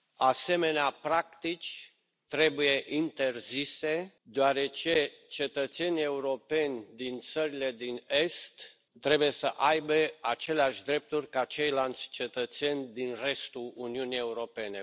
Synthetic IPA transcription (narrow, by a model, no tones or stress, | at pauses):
ase̞me̞neapɾakt̪it͡ʃʲ | t̪ɾe̞buje̞ʔint̪e̞rzise̞ | d̪oaɾe̞t͡ʃet͡ʃe̞t̪ət̪se̞nʲie̞uɾo̞pe̞nʲd̪int̪səɾile̞d̪ine̞st̪ː | ɾe̞buje̞səʔajbe̞at͡ʃe̞leaʃʲd̪ɾe̞p̚t̪urʲkaːt͡ʃe̞jlant̪sʲt͡ʃe̞t̪ət̪se̞nʲd̪inre̞st̪uuniunije̞uɾo̞pe̞ne̞